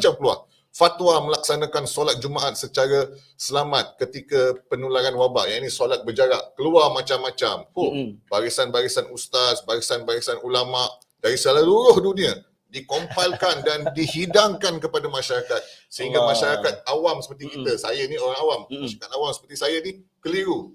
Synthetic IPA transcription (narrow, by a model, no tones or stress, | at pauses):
t͡ʃamkəlua̰ | fat̪wamə̃laksanakansolat̪̚d͡ʒumaʔat̪̚sət͡ʃaɾa | səlamat̪̚kət̪ikapənulaɾanwaba̰ʔjainisolat̪̚bəd͡ʒaɾakəluamat͡ʃamːat͡ʃamhub̥aɾisanbaɾisanʔust̪asbaɾisanbaɾisanulamaʔ | daɾisalaluɾʊhdunĩa | dikompalkandandiɦidaŋkankəpadamãʃaɾakat̪̚səɦiŋɡamãʃaɾakat̪̚awamsəpərt̪ikit̪əsajanioɾaŋawammaʃaɾakat̪awamsə̥pərt̪isajanikəliɾu